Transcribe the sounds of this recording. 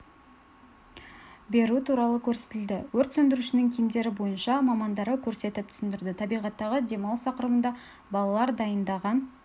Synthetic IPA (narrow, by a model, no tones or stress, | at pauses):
be̞ɾut̪ʰuɾɑlˠəkʲʰɵɾse̞̥t̪ɪld̪ɪwɵɾt̪sɵnd̪ɪɾuʃɪnɪŋkʲʰijmd̪e̞ɾɪbo̞jənʃɑmɑmɑnd̪ɑɾəkʲʰɵɾse̞t̪ɪp̚t̪ʰʏ̥sɪnd̪ɪɾd̪ɪt̪ʰɑbijʁɑt̪ːɑʁəd̪ʲe̞mɑlˠst̪ɑqəɾəmənd̪ɑ | bɑlˠɑlˠɑɾd̪ɑjənd̪ɑʁɑn